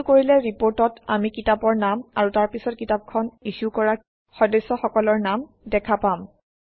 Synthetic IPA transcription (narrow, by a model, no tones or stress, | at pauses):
koɹilɛɹipoɹtɔtamikitapɔɹnamaɹutaɹpisɔt̚kitap̚kʰɔniʃukɔɹa | xɔdɔsːɔxɔkɔlɔɹnam | dɛkʰapam